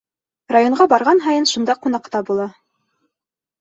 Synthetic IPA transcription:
rajoɴɢɑbɑɾʁɑnɦɑjɤnʃund̪ɑqunɑqt̪ɑbulˠɑ

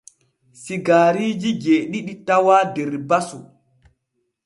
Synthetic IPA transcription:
siɡaːɾiːd͡ʒiɡeːɗiɗitawaːdeɾbasu

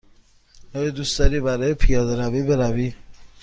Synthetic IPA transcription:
ɔjed̪ust̪ɒɾiːbæɾɒːjepʰijɒːd̪eɾæviːbeɾæviː

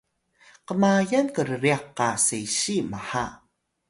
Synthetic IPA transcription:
qəmajankəɾəɾiaqːasejɕimaħa

